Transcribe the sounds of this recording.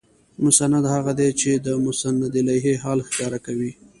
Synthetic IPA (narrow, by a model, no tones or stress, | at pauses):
mʊsanad̪haɣad̪et͡ʃed̪əmʊsanːad̪ɪlajɦeɦɑlxkɑɾakawi